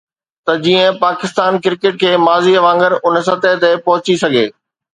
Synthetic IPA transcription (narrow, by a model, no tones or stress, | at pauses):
t̪ɐd͡ʑiːə̃paːkɪst̪aːnkɪɾkɪʈ̚kʰeːmaːziɐʋãːŋɡəɾʊnəsɐt̪et̪epɐɦʊt͡ɕisɐɡʱeː